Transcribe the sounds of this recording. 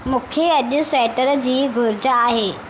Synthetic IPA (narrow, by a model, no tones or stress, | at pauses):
mũːkʰeɐʄʊsɛːʈəɾd͡ʑiːɡʱʊɾd͡ʑaːɦeː